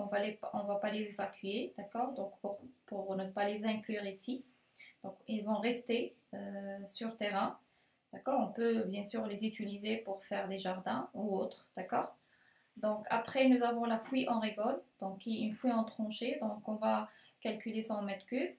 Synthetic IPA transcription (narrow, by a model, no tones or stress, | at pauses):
ɔ̃valeɔ̃vapalezevakʲyed̪̥akɔʁd̪ɔ̃kpuʁpuʁnəpalezɛ̃klyʁisi | d̪̥ɔ̃kilvɔ̃ʁɛst̪eøsyʁt̪eʁɛ̃ | d̪̥akɔʁɔ̃pøbjɛ̃syːʁlezyt̪ylizepuʁfɛʁd̪eʒaʁd̪ɛ̃uot̪χd̪̥akɔːʁ | d̪ɔ̃kʰapχɛnuzavɔ̃lafwiʔɑ̃ʁeɡɔld̪̥ɔ̃kːiɛynfwiɑ̃t̪χɑ̃ʃed̪ɔ̃kɔ̃va | kalkylesɑ̃mɛt̪kø